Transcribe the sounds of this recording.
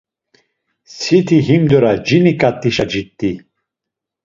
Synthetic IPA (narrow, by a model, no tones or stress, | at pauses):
sit̪ʰiɦimd̪ɔɾad͡ʒinikʼat̪ʼːiʃad͡ʒit̪ʼːi